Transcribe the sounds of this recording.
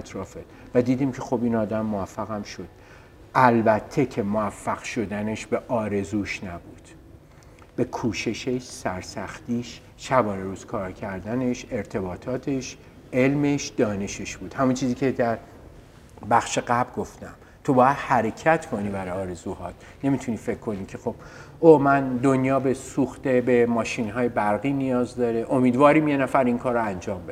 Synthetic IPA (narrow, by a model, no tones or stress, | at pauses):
æt̪ʰɾɒːfed̪væd̪iːd̪iːmkcʰe̞xo̞biːnɒːd̪æmːoæfːæɣæmʃo̞d̪̥̚ | ʔælbæt̪ʰːe̞cʰemoæfːæɣ̥ʃo̞d̪æne̞ʃbeʔɒːɾe̞zuːʃnæbuːd̪̥ | b̥e̞kʰuːʃe̞ʃeʃsæɾsæxt̪iːʃ | ʃæbɒːneɾuːz̥kʰɒːɾcʰæɾd̪æne̞ʃe̞ɾt̪ʰe̞bɒːt̪ʰɒːt̪ʰe̞ʃ | e̞lme̞ʃd̪̥ɒːne̞ʃeʃb̥uːd̪hæmunt͡ʃʰiːziːcʲʰed̪æɾ | bæxʃe̞ɡæbɾɡo̞ft̪æ̰m | t̪ʰo̞bɒːjæd̪̥hæɾe̞cʰæt̪ʰkʰo̞niːbæɾɒɒːɾe̞zuːhɒːt̪ | ne̞mit̪ʰuniːfe̞kʰːo̞niːcʰe̞xo̞b̥ | oːmænd̪o̞njɒːbesuːxt̪e̞be̞mɒːʃinɦɒːje̞bæɾɣiːnijɒːzd̪ɒːɾe̞ʔo̞miːd̪vɒːɾiːmjenæfæɾiŋkʰɒːɾoænd͡ʒɒːmbed̪̥